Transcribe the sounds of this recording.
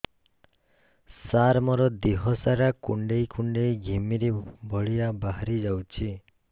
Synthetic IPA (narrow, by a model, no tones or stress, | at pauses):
saɾmɔɾɔd̪iɦɔsaɾakuɳɖejkuɳɖejɡʱimiɾebʱɔɭijabaɦɾid͡ʒawt͡ʃʰi